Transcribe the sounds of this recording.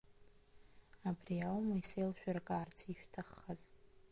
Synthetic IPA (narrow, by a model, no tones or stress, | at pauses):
abriawmaisejlʃᶣarkʼaːrt͡sʰiʃᶣtʰaχːaz